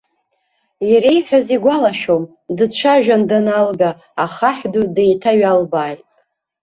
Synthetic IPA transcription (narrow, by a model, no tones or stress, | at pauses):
jaɾejħᶣaziɡʷalaʃom | dɨt͡ʃʷʰaʒᶣandanalɡaː | χaħdude̞jtʰaɥalbaːjtʼ